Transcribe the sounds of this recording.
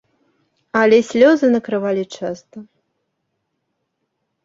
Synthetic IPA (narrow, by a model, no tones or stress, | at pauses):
ɐlʲɛsʲlʲɔzɨnɐkɾɨvalʲit͡ʂast̪ɐ